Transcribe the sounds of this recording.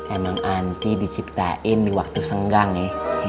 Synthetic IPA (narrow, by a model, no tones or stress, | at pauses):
emaŋant̪idit͡ʃip̚t̪a̰ʔɪndiwak̚t̪usəŋɡaŋɛ